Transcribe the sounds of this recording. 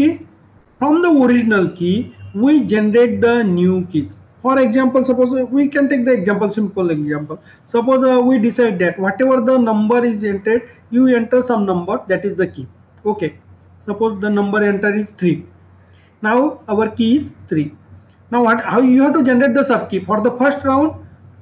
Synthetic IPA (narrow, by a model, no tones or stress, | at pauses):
ki | fɾɔ̃md̪əoɾid͡ʑnəlkiʋid͡ʒenəɾeʈ̚d̪ənjukiz | fɔɾeɡzæ̃mpəlsɐpozʋikɛ̃nʈek̚d̪əeɡzæ̃mpəlsĩmpəleɡzæ̃mpəl | sɐpozʋiɖisajɖ̚d̪æʈʋɔʈeʋəɾd̪ənə̃mbəɾizẽɳʈeɖ | juẽɳʈəɾsɐ̃mnɐ̃mbəɾd̪æʈizd̪əkiː | oke | sɐpozd̪ənɐ̃mbəɾẽɳʈəɾizt̪ʰɾi | nawɐʋəɾkizt̪ʰɾiː | nawɦhajuɦɛʋʈud͡ʒenəɾeʈ̚d̪əsəb̚kifɔɾd̪əfəɾsʈɾãw̃ɳɖ